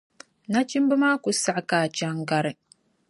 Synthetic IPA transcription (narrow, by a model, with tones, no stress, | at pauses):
na˦t͡ʃi˦mbɨ˦maː˦kʊ˨sa˦ʔkaː˨t͡ʃa˨ŋ˦ɡa˨ɾɨ˨